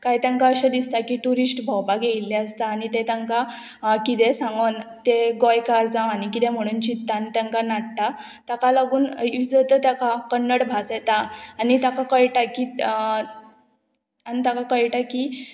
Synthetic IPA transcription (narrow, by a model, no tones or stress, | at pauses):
kajt̪jãŋkaəɕad̪ist̪akiʈuɾisʈbʱɔwpaɡejlːeəst̪aːnit̪et̪ãŋka | kit̪esãŋɡənt̪eɡɔjkaɾd͡zãwanikit̪em̤əɽ̃uːnt͡ɕit̪ːanit̪jãŋkanaʈʈa | t̪akalaɡuːnid͡zət̪ət̪jakakəɳːəɽbʱasɛt̪aanit̪akakəjʈaki | anit̪akakəɭʈaki